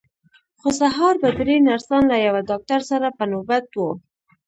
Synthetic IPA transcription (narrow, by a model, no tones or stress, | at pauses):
xosaɦɑɾbad̪ɾenaɾsɑnlajawadɑk̚t̪aɾsaɾapənobat̪wo